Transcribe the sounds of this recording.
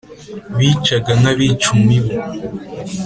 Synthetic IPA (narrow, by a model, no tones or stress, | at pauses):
βiːt͡ʃaɡaŋaβit͡ʃumiβe